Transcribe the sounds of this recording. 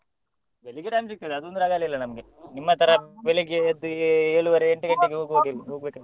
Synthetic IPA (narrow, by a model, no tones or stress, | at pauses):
beliɡeɾaːmsik̚t̪ːɐd̪eɐd̪uond̪uɾaːɡaːlːɐilːɐnɐmɐɡenimːɐt̪ʰɐɾɐbeɭiɡeɐd̪ːueːɭuʋɐɾeːɳʈuɡɐɳʈːeɡeɦoːɡɦoɡiɾiɦoːɡbeːkɐ